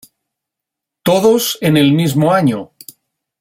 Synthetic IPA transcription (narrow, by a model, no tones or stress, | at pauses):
t̪o̞ðo̞sene̞lmizmoaɲo